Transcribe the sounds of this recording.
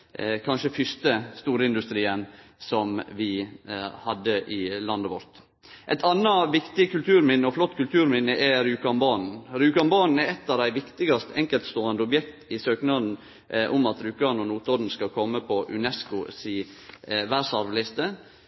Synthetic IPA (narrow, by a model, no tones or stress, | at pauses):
kʰɑnʃəfʏst̪əst̪uːɾəɪnd̪ʉst̪ɾiːənsɔmʋɪ | hɑd̪ːəʔɪlɑnd̪ɑʋɔɾt̪ | ʔæɪt̪ʰɑnːɑʋɪkt̪ɪkʰʉlt̪ʰʉːɾmɪnːəɔflɔt̪ːkʉlt̪ʰʉːɾmɪnːəʔɛɾʉːkɑmbɑːnn̩ɾʉːkɑnbɑnn̩ɛɾɛt̪ːɑːʋd̪æɪʋɪkt̪ɪɡɑst̪ʰɛŋkəlt̪st̪oːɾɑnd̪əɔbjɛkt̪ɪsøːknɑd̪n̩ | ʔɔmɑt̪ɾʉːkɑnɔnuːt̪ɔɾn̩skɑkʰɔmːəpʰɔʔʉ̰nɛskʊsiː | ʋæːʂɑɾʋlɪst̪ə